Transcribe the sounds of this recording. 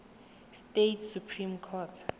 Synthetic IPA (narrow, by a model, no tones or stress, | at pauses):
stetʰsupʰrimkʰɔtʰ